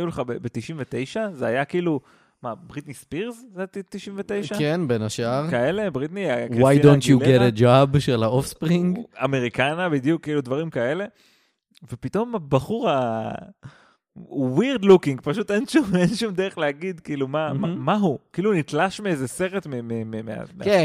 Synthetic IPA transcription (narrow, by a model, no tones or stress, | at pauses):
juleχabebet̪iʃimvet̪e̞jʃazeajakiːlu | mabʁit̪nispiʁzzeatt̪iʃimɱvet̪e̞jʃakenbenaʃaʁkae̞le̞bʁit̪niakwwajidontjulɡeɾed͡ʒabʃelaofspʁiŋɡa̰meʁikanabid̪jukːiːlud̪vaʁimkae̞le̞ | vepit̪o̞mabaχuʁa | wiʁd̪lukĩŋɡpaʃut̪enʃumenʃumdeʁeχleaɡid̪kiːlumamaɦukiːlunit̪laʃmeezese̞ʁe̞t̪memememea̰ke